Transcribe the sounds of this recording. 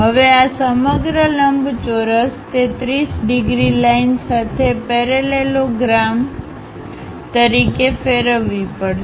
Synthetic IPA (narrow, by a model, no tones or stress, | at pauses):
ɦəʋeasəməɡɾələmbʱt͡ʃoɾəst̪et̪ɾisɖɪɡɾilainsat̪ʰepɛɾeleloɡɾam | t̪əɾikefeɾəʋːipəɽ